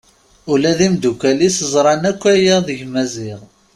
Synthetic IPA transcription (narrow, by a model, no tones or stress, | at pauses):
ulæðimd̪ukælisəzˤɾˤɑnækʷːæjæðəʝmæzɪʁ